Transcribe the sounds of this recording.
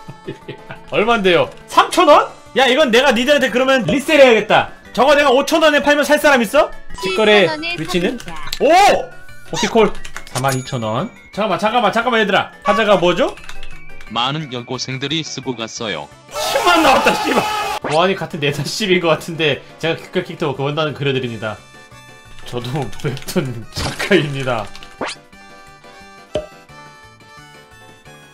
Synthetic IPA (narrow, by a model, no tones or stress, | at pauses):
ʌɭmande̞josʰamt͡ɕʰʌnwʌn | jaiɡʌnːe̞ɡanideantʰekɯɾʌmjʌnɯlist͈eɾejaɡe̞t̚t͈at͡ɕʌɡane̞ɡaot͡ɕʰʌnwʌnepʰaɭmjʌnsʰaɭs͈aɾamis͈ʌt͡ɕʰik͈ʌɾeɥit͡ɕʰinɯno | okʰikʰoɭsʰamanit͡ɕʰʌnwʌn | t͡ɕeɡamat͡ɕʰak͈amat͡ɕʰakamaedɯɾa̰pʰad͡ʑaɡamwʌd͡ʑo | manɯnjʌɭɡosʰeŋdɯɾis͈ɯɡoɡas͈ʌjo̰ | t͡ɕʰimanːawat͈aɕ͈ibaʌɦaɲikatʰɯnːe̞dʰaɕ͈ibinɡʌk͈atʰɯnde̞t͡ɕe̞ɡakʰi̥k͈ʰːekʰiktʰɯokɯbʌndanɯnkɯɾjʌdɯɾimɲida | t͡ɕʌdopet͈ʰɯnt͡ɕak͈aimɲida